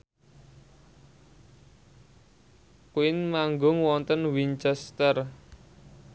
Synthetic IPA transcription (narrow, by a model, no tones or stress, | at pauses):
kwɪnmaŋɡʊŋwɔnt̪ənwint͡ʃɛst̪ər